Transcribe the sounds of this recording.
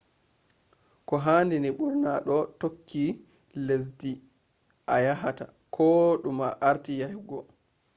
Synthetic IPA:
kɔɦaːndiniɓuɾnaɗɔtokːi | les̬di | ʔajaɦata | kʰɔɗumaʔaɾtijahɡɔ

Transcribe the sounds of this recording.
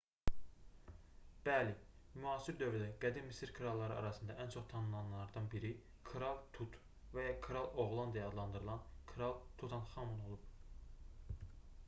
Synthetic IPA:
b̥ælimyɑːsiɾd̪ø̞vɾyd̪æɡ̥æd̪inmisiɾkʰɯɾɑlˠːɑɾɯ̰ɑ̰ɾɑsɯnd̪ɑʔænt͡ʃʰo̞χt̪ʰɑnɯnˠɑnlˠɑɾd̪ɑnbiɾi | kʰɯɾɑlˠt̪ʰut̪ | væjɑkʰɯɾɑlˠo̞ɣlˠɑnd̪ɑjɑɑd̪lˠɑnd̪ɯɾɯlˠɑnkʰɯɾɑlˠt̪ʰut̪ʰɑnχɑmuno̞lˠub̥

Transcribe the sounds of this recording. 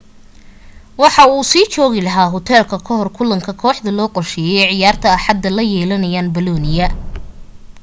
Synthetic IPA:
wɑħɑuːsiːt͡ʃɔːɣɪlɐɦaːɦɔt̪ʰɛːlkʰɐkʰɔɦɔrkʰʊlɐŋkʰɐkʰɔːħd̪ɐlɔːqɔrʃɛːjɛʕɪjaːrt̪ʰɐːħɑd̪ːɐlɐjɛːlɐnɐjaːnbɐlɔːnɪjɐ

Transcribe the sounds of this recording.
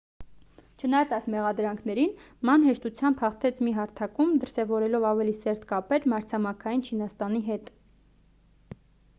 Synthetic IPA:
t͡ʃʰənɑjɑt͡sɑjsmɛʁɑd̪ɾɑŋkʰnɛɾin | mɑnɦɛʃt̪ut͡sʰjɑmbhɑχt̪ʰɛt͡sʰmiɦɑɾt̪ʰɑkumd̪əɾsɛvɔɾɛlɔvɑvɛlisɛɾt̪kɑpɛɾmɑɾt͡sʰɑmɑkʰɑjint͡ʃʰinɑst̪ɑniɦɛt̪

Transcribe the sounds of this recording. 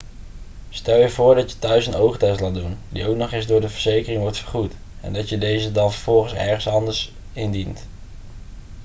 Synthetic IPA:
stɛlˠjəvʊːɹdɑtjə̥tœɥsənowχtɛstlaːdundḭowk̚nɔχɪzdʊːɹdəvəɹz̥ejkərɪŋʋɔɹtfəɹχut | ɛ̰ndɑtjədejzədɑnvəɹv̥ɔlˠχəsɛ̰ɹχənsɑndəɹs | ɪndint

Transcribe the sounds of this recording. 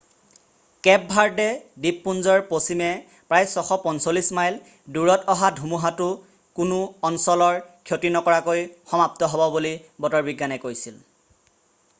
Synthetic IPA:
kɛp̚bʱaɹdɛdipːunzɔɹposimɛ | pɹajsɔxɔpɔnsolismajl | duɹɔtɔɦadʱumuɦatʊ | kunʊɔnsɔlɔɹkʰjotinɔkɔɹakojxɔmap̚tɔɦɔbɔbulibɔtɔɹbiɡːanɛkojsil

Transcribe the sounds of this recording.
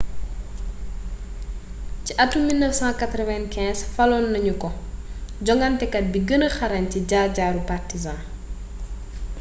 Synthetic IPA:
ciʔɐtːumːilnəfsãːkɐt̪ɾɔvɛnkɛ̃ːsfɐlɔnːɐɲukɔɟɔŋɡɐntɛkɐt̚biɡənəxɐɾɐɲciɟaːɟaːɾupartizãː

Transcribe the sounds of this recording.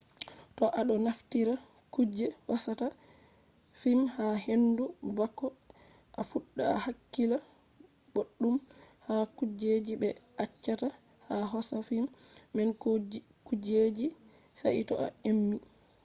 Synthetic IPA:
tɔʔaɗɔnaftiɾa | kud͡ʒɛwasata | fimhaɦendubakːɔ | ʔafuɗːaa̰hakːila | boɗːumhakud͡ʒed͡ʒibɛ | at͡ʃːata | haɦɔsafimːɛn | kud͡ʒed͡ʒi | sa̰ʔitɔ̰ʔa̰emːi

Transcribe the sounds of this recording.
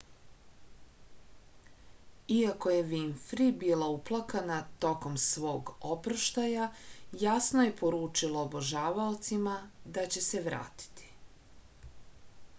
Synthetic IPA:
iako̞je̞ʋinfɾibilauplˠakanat̪o̞ko̞msʋo̞ːɡopɾaʃt̪ajajasnoje̞po̞ɾuːt͡ʃilˠoːboʒaːʋaot̪simad̪at͡ɕe̞seʋɾa̰ːt̪i̥t̪ʰi̥

